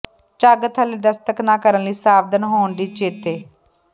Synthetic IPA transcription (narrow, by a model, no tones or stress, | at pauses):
t͡ʃaːɡət̪ɦəliːd̪əst̪əknãːkəɾənliːsaːʋd̪ənɦoːɳd̪iːt͡ʃeːt̪eː